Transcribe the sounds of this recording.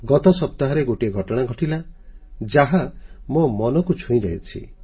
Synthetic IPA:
ɡɔt̪ɔsɔp̚t̪aɦɔɾeɡoʈieɡʱɔʈɔɽ̃aɡʱɔʈilad͡ʒaɦamomɔnɔkut͡ʃʰũĩd͡ʒajt͡ʃʰḭ

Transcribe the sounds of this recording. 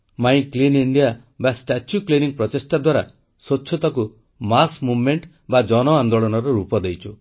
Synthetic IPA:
maĩkliniɳɖija | basʈat͡ʃjukliniŋpɾɔt̪esʈad̪waɾa | sot͡ʃːʰɔt̪aku | masmubmeɳʈ | bad͡ʒɔnɔand̪oɭɔnɔɾɔɾupɔd̪ejt͡ʃʰu

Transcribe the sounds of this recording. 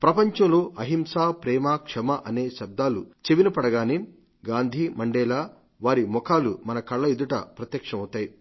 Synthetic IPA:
pɾɐpɐɲt͡ʃɐ̃mloːʔɐɦimsaːpɾɛːmaːkʂɐmɐʔɐne̞ːʃɐb̚d̪aːlut͡ʃeʋinɐpɐɽɐɡaːni | ɡaːnd̪ʱimɐɳɖɛːlaː | ʋaːɾimɔkaːlumɐnɐkɐɭːɐed̪uʈɐ̰pɾɐt̪jɐkʂɐmɐwt̪aːji

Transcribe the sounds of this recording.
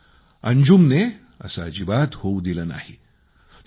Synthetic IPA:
ə̰ɲd͡ʑumne | ə̰sad͡ʑibat̪houd̪iləna̰hi | t̪

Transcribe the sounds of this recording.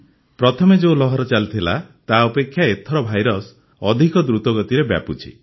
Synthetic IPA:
pɾɔt̪ʰɔmed͡ʒewlɔɦɔɾɔt͡ʃalt̪ʰilat̪aɔpekʰːjaet̪ʰɔɾɔbʱajɾɔs | ɔd̪ʱikɔd̪ɾut̪ɔɡɔt̪iɾebja̰put͡ʃʰḭ

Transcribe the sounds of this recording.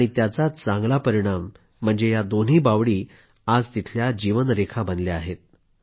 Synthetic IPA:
aɽ̃it̪jat͡sat͡saŋɡlapəɾiɽ̃am̤ː | əɳd͡zejad̪on̤iːbaʋɽiː | ad͡zt̪it̪ʰljad͡ʑiʋənɾekʰabənljaaɦet̪̚

